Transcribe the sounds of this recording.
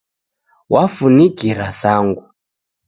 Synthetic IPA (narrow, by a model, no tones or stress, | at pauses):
wafuniɡiɾasaːŋɡu